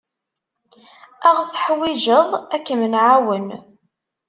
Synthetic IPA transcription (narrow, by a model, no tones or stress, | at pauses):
æʁθəħwɪʒəðˤækːəmənʕawən